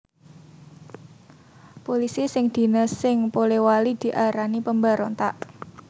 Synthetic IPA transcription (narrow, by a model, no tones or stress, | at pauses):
polisisɪŋd̪̥i̤nəsːɪŋpolewalid̪̥i̤ʔaɾanipəmbaɾɔnt̪aʔ